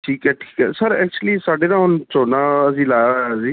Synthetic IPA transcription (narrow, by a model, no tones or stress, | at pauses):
ʈʰiːkɛːʈʰi̥ːkɦɛːsəɾɛːk̚t͡ʃuəliːsaːɖeːnãːɦʊnt͡ʃoːnãəsiːlaːjaziː